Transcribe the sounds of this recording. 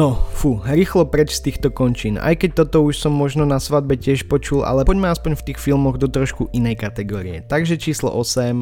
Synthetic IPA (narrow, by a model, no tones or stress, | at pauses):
nɔfuɾiːxlɔpɾɛt͡ʃst̪iːxt̪ɔkɔnt͡ʃiːna̰jkɛc̚t̪ɔt̪ɔuʃsɔmːɔʒnɔnasʋad̪̚bɛcɪɛʃpɔt͡ʃula̰lɛɔɟmaaspɔɲft̪iːxfilmɔɣd̪ɔt̪ɾɔʃkuʔinɛjkat̪ɛɡɔːɾiɛ̰t̪aɡʒɛt͡ʃiːslɔ̰ʔɔsɛm